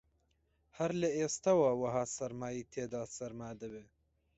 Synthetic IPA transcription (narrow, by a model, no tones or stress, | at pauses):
hɐɾləeːst̪ɑwɑːwɐɦaːsɐɾmaːjiːt̪ʰeːd̪ɑːsɐɾmaːd̪ɨbe